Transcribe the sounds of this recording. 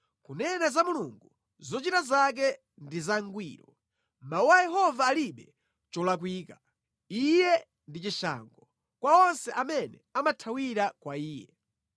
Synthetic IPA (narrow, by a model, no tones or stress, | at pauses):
kunɛnazamuluŋɡu | zɔt͡ʃitazak̬ɛ | ndizaŋɡwiːɾɔ | mauwajɛɦɔvaːliɓɛ | t͡ʃɔlak̬wiːka | ijɛ | ndit͡ʃiʃa̰ŋɡɔ | kwaɔnsɛʔamɛnɛ̰amatʰawiɾakwaiːjɛ̰